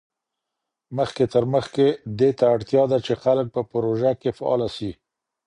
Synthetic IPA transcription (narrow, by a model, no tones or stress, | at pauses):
məxket̪əɾməxked̪et̪aːɽt̪jɑd̪at͡ʃexalək̚pəpɾoʒakefaɑ̰lasi